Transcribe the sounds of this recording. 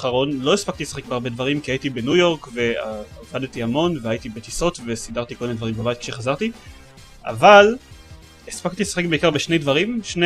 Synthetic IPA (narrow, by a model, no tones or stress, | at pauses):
χaʁo̞nlo̞espak̚t̪ilesaχek̚beaʁbedvaʁimkiajitibe̞nujo̞ʁkve̞aavadtiamo̞nveajitibet̪iso̞t̪ve̞sidaʁt̪ikolenedvaʁimbabaitki̥ʃeχazaʁt̪i | a̰val | espaktilesḁχe̞k̚beikaʁbeʃne̞jdvaʁimʃn